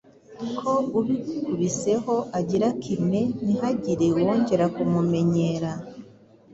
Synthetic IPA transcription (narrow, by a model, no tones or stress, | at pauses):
kʰo̞uβikuβise̞ho̞ʔaɟiɾakʰime̞nihaɟiɾewo̞ːɲɟe̞ɾakumume̞ɲeɾa